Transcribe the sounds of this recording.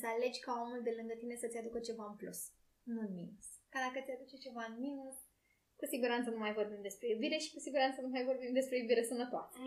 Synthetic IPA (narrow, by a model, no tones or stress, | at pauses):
səale̞d͡ʒʲkao̞mulb̪e̞lɨŋɡət̪ine̞sət̪sʲad̪ukət͡ʃe̞vaɨnplus | nuɨnminuskad̪akət̪sʲad̪ut͡ʃe̞t͡ʃe̞vaɨnminus | kusiɡuɾant̪sənumajvo̞rbimd̪e̞spɾe̞ubiɾe̞ʃi̥kusiɡuɾant̪sənumajvo̞rbimd̪e̞spɾe̞jubiɾe̞sənət̪oa̰se